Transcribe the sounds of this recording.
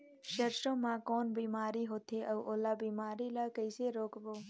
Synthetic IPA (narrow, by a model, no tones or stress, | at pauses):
ʃəɾʃõmãːkoːnbiːmaːɾiɦot̪ʰeʔəʋʔoːlaːbiːmaːɾilakəɪseɾoːkboː